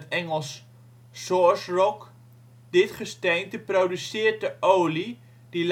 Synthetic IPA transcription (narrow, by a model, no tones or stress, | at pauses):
tɛŋəlˠsː | ɔɹsrɔk | d̥ɪtχəstejntəprowdysɪːrt̚əʔowli | d̥il